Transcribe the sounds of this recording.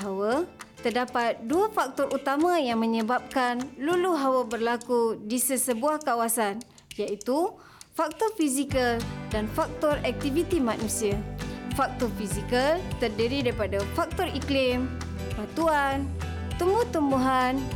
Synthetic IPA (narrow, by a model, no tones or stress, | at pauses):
ɦawət̪ərdapat̪̚duafak̚t̪ɔrʔut̪amãjaŋmə̃ɲəbap̚kanluluɦawəbərlakudisəsəbuahkawasan | jaʔit̪u | fak̚t̪ɔrfisikaldanfak̚t̪ɔrɛk̚t̪ivit̪imanũsiafak̚t̪ɔrfizikəlt̪ərdiɾidaɾipadafak̚t̪ɔriklim | bat̪uan | t̪umbut̪umbuɦan